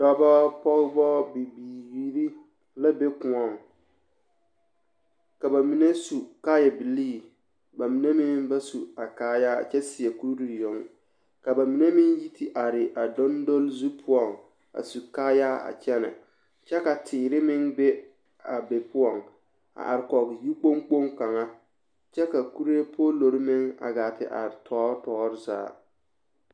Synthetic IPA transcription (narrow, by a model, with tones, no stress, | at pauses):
d̥ɔ˦bɔ˦pɔ˦ɣbɔː˦bi˨biː˨ji˨ɾi˦ | la˦be˦kʊ̃˨ɔ˦˨ŋ | ka˨ba˨mi˨ne˦su˨kaː˦jɛ˨bi˨liː˦˨ | ba˨mi˨ne˦mɪ̃˦ŋba˦su˨a˨kaː˦ja̰ː˦˨t͡ʃɛ˦si˨e˨ku˦ɾu˦˨jo˨˦ŋ | ka˨ba˨mi˨ne˦mɪ˦ŋji˦tʰi˨ʔa˨ɾɪ˨ʔa˨dɔ˦ndo˦lzu˦pʰʊ˦ɔ˨ŋ | a̰˨su˨kaː˦jaː˦a̰˨t͡ʃɛ˦nɛ̰˨ | t͡ʃɛ˦ka˨tʰɪː˨ɾɪ˦mɪ˦ŋbe˦ | a˨be˨pʊ˦ɔ˨ŋ | a̰˨ʔa˨ɾɪ˨kɔ˨kji˦k͡po˦ŋk͡po˦ŋka˨ŋa˦ | t͡ʃɛ˦ka˨ku˦ɾe˦pʰoː˦lo˨ɾɪ˦mɪ˦ŋa̰˨ɡaː˨tɪ̰˨ʔa̰˨ɾɪ˨tʰɔː˦tɔː˦ɾɪ˦za̰ː˨˦